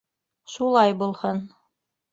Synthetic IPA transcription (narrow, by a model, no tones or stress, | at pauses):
ʃulˠɑjbulˠhɤn